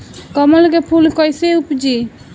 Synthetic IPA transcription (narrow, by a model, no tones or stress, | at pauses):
kəməlkepʰulkəjseupd͡ʒi